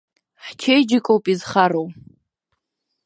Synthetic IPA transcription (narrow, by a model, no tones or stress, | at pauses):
ħt͡ʃʰejd͡ʒɪkʼowpʼizχaɾow